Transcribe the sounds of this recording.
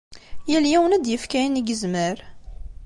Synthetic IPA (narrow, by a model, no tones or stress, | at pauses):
jəljæwənæd̪jəfkæjəniɡəzməɾ